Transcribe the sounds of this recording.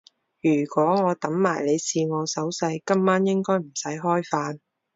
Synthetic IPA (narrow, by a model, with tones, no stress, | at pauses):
jyː˨˩kʷɔː˨˥ŋɔː˨˧t̪ɐ˨˥mmaː˨˩jle˨˧jsiː˨˧ŋɔː˨˧sɐ˨˥wsɐ˧jkɐ˥mːaː˥njɪ˥ŋkɔː˥jm̩˨˩sɐ˨˥jɦɔː˥jfaː˧n